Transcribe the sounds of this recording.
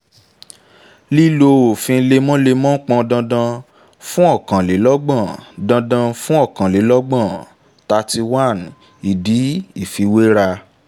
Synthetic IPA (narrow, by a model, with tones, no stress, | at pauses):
li˦lo˧o˨fĩ˧le˧mɔ̃˦le˧mɔ̃˦k͡pɔ̃˧dã˧dã˧ | fũ˦ɔ˦˨kã˨le˨˦lɔ˦ɡ͡bã˦˨dã˧dã˧fũ˦ɔ˦˨kã˨le˨˦lɔ˦ɡ͡bã˦˨ | ta˧ti˧wa˦˨n | i˨di˨˦i˦˨fi˧we˦ɾa˧